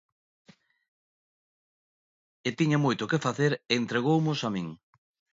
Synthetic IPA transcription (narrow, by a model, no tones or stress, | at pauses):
et̪iɲamojt̪ʊkefaθeɾent̪ɾeɣowmʊsamĩŋ